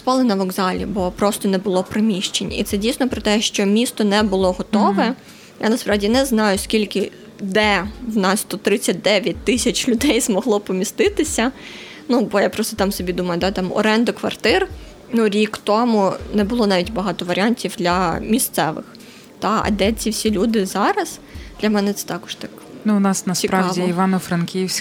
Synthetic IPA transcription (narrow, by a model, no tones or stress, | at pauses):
spɑlˠɪnɐʋɔɡzɑlʲḭbɔpɾɔst̪ɔnɛbʊlˠɔpɾɪmʲiʃt͡ʃenʲḭt̪sɛdʲijsnɔpɾɔt̪ɛʃt͡ʃɔmʲist̪ɔnɛbʊlˠɔɦɔt̪ɔʋɛ | jʔa̰nɐspɾɑʋdʲinɛznɑjʊskʲilʲkɪ | d̪ɛwnɑst̪ɔt̪ɾɪt͡sʲːɐt̚ʲd̪ɛʋʲjɐt̚ʲt̪ɪsʲɐt͡ʃʲlʲʊd̪ɛjzmɔɦlˠɔpɔmʲist̪ɪt̪ɪsʲɐ | nubɔjapɾɔst̪ɔt̪ɑmsɔbʲid̪umɐjʊd̪ɑt̪ɑmɔ̰ɾɛnd̪ɔkʋɐ̰rt̪ɪr | nuɾʲikt̪ɔmʊnɛbʊlˠɔnɑʋʲitʲbɐɦɑt̪ɔʋɐɾʲɑnʲtʲiwd̪lʲɐmʲist̪sɛʋɪ̰x | t̪ɑɐ̰d̪ɛt͡sʲiwsʲilʲud̪ɪzɑɾɐzd̪̥lʲɐmɛnɛt̪sɛ̥t̪ɑkɔ̥ʃt̪ɑk | nunɑsnɐsʲipɾɑɑdʲiiʋɑnɔfɾɐnkʲiwsʲ